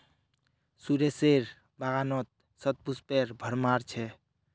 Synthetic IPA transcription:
suɾeseɾ | baɣanɔt̪̚ | sət̪̚puspeɾbʱəɾmaɾt͡ʃʰɛ

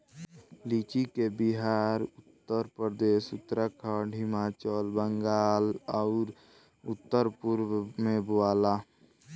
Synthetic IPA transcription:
liːt͡ʃikebiɦaːɾʊt̪ːəɾpɾəd̪eːsʊt̪ːɾəkʰəɖɦɪmaːt͡ʃəlbəŋɡaːlɔʊɾ | ʊt̪ːəɾpʊɾmẽboaːla

